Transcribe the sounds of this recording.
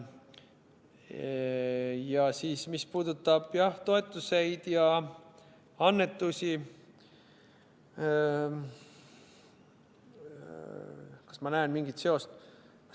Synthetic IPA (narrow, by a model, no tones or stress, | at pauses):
jɑsiːsmispuːd̪ut̪ˑːɑb̥jɑht̪o̞e̞t̪ːˑuse̞jd̪̥jɑ | ɑnːe̞t̪ːˑusʲi | kɑ̥smɑnæenmiŋɡit̪se̞o̞st̪ | k